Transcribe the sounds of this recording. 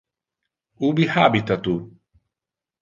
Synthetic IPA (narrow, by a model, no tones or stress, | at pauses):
ubiħaːbit̪at̪u